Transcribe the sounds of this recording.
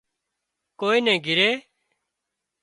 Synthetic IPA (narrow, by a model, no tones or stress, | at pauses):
koːiːnɛ̃ːɡʱɪɾeː